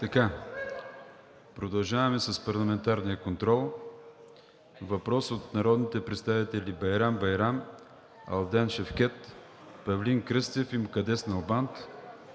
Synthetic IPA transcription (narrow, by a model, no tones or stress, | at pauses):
t̪ɐka | pɾod̪ɐlˠʒavɐmɛsɐspɐɾlˠɐmɛnt̪aɾnijəkont̪ɾɔlˠ | vɐpɾɔsot̪nɐɾɔd̪nit̪ɛpɾɛt̪st̪avit̪ɛlʲibɐjɾambɐjɾam | ɐ̰lˠd̪ɛnʃɛfk̟ɛt̪ | pɐvliŋkɾɘst̪ɛfimkɐd̪ɛsnɐlˠbant̪